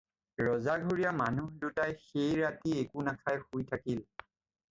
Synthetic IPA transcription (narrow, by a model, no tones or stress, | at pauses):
ɹɔzaɡʱoɹijamanudutajxejɹatiekunakʰajxujtʰakil